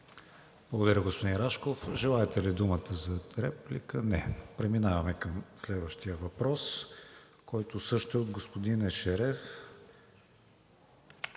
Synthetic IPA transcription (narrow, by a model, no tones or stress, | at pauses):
b̥lˠəɡod̪ɐɾʲəɡospod̪inɾaʃkofʒɛlˠaɛt̪ɛlid̪umət̪əzɐɾɛplikənɛpɾɛminavɐmɛkəmslɛd̪vəʃt̪ijəvɐpɾɔs | kɔjt̪osɤʃt̪ɛod̪ɡospod̪inɛʃɛɾɛf